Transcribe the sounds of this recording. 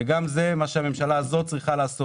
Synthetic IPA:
eɡamzemaʃeamemʃalaːzo̞t̚t͡sʁiχalaːso

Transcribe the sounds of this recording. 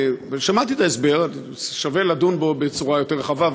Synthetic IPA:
ʃamat̪iet̪aesbe̞ʁ | ʃave̞ladunbo̞be̞t͡suʁajo̞teʁχavav

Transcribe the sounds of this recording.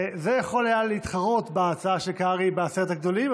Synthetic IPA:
zejaχo̞lajaleit̪χaʁo̞t̪beat͡saaʃelkaʁibeaseʁet̪aɡd̪o̞lim

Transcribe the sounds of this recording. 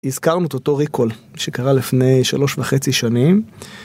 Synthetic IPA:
izkaʁnuet̪oto̞ʁiko̞lʃekaʁalifnejʃa̰lo̞ʃvaχe̞t͡siʃanim

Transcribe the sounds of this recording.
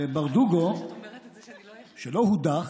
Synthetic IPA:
baʁd̪uɡo | ʃelohud̪a

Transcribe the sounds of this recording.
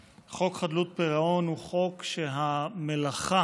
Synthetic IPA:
χo̞kχad̪lut̪̚peʁao̞nhuχokʃeɦamelaχa

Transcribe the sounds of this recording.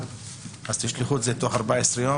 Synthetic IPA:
az̥t̪iʃliχut̪zet̪o̞χaʁbaesʁejo

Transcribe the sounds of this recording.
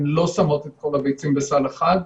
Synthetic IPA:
mlo̞samo̞t̪et̪̚ko̞labejt͡simbesaleχad̪

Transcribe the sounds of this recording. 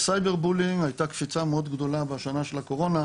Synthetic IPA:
sajbeʁbuliŋajt̪akfit͡sameo̞d̪ɡd̪o̞labeʃanaʃe̞lako̞ʁo̞na

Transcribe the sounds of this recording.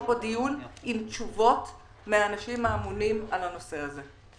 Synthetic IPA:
podijunimt͡ʃuvo̞t | meaːnaʃimaːmunimalano̞se̞aze̞

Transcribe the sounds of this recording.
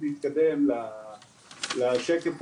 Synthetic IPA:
liit̪̚kad̪emla | laʃekef

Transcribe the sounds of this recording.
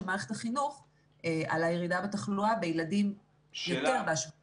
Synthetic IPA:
maːʁeχet̪aχinuχ | ea̰lajeʁidabetaχluabejladim | jo̞te̞ʁbeaʃv

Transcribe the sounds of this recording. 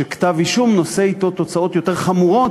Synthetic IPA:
ekḁt̪aviʃumno̞se̞it̪o̞t̪o̞t͡sao̞t̪jo̞t̪e̞ʁχamuʁo̞t

